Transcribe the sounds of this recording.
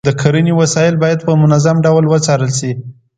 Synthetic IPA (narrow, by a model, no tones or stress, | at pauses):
d̪əkʰaɾəniwasɑjɪlbɑjad̪̚pəmʊnazamɖawlwət͡sɑɾəlsi